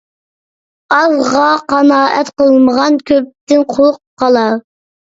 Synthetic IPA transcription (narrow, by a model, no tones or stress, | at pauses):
ɑzʁɑqɑnɑːʔɛ̰t̪qəlˠməʁɑnkʲʰøp̚t̪ɪnqʰoʊqː | ɑlˠɑ